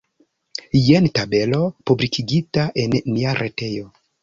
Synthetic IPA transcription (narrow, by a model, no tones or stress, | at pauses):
jentabe̞lo̞publikʰiɡitaʔe̞nːiaɾʔete̞jo̞